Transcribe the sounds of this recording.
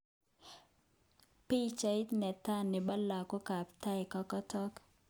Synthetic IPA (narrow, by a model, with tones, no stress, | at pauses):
pi˦t͡ʃa˨i˦t̪nɛ˨ta˦nɪ˨ba˦la˨ko˦ka˨pta˦ɪ˨kɔ˦kɔ˦tɔ˦k